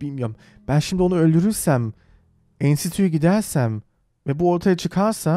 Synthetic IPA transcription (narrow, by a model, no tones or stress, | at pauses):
b̥ilʲmijoɾm | b̥ænʃimd̪io̞nuø̞lʲd̪yɾyɾsæm | insit̪ʰyjyɟid̪æɾsæm | vɛbuo̞ɾt̪ʰajat͡ʃʰɯkʰaɾsa